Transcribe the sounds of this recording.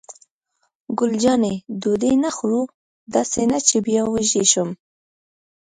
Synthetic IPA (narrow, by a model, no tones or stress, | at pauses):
ɡʊld͡ʒɑned̪od̪enaxɾu | d̪ɑsenat͡ʃebjɑwəʒeʃum